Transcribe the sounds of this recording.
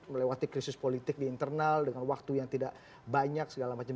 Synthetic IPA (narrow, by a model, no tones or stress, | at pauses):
məlewat̪ikɾisɪspolit̪ɪk̚diːnt̪ərnaldəŋanwak̚t̪ujaŋt̪idaʔ | baɲaksəɡalamat͡ʃa